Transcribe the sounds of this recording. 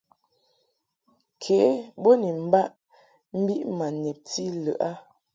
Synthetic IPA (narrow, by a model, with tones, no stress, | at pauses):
kʰe˨˦bo˦ni˨m̩˦ba˦ʔ | m̩˦bi˦ʔma˨nɛ˨p̚ti˦lə̰˨ʔa˦